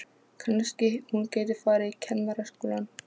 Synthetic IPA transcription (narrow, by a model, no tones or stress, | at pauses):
kʰanscɪhuncaːjt̪ɪfaːɾɪicʰɛnːaɾaskoːlan